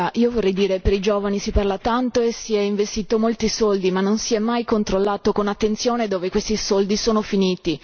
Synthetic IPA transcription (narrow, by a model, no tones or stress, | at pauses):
aʔiːovorːɛjd̪iːɾepeɾid͡ʒoːvanisiparlat̪ant̪oesiɛiɱvest̪iːt̪omolt̪isold̪imanːonsiɛmːajkont̪ɾolːaːt̪okonat̪ːent̪sjoːned̪oːvekwest̪isold̪isoːnofiniːt̪i